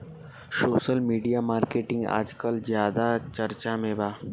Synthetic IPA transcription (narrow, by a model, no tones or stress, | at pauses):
soːʃəlmiːɖijamaːɾkeːʈɪ̃ŋɡa̰ːd͡ʒkəlzjaːd̪at͡ʃɐɾt͡ʃamẽbaː